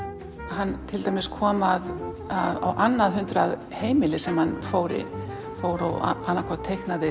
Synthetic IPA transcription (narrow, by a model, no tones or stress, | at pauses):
hanːt̪ʰɪlt̪aːjmɪskʰɔːmað | aða̰wʔanːaðɦʏnt̪ɾað | heːjmɪlɪsɛmhanfoːwɾɪ̰ | foːwɾaw̰anːakʰɔt̪ʰejhknaðɪ